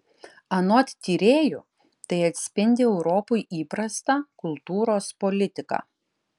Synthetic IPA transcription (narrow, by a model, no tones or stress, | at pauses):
ɐnɔt̪t̪ʲiːɾʲeːjʊ | t̪ɐɪɐt̪ʲsʲpʲɪnʲd̪ʲɪɛʊɾɔːpʊjʔiːpɾɐst̪ɑkʊlˠt̪uːɾoːspɔlʲɪt̪ʲɪkɑ̰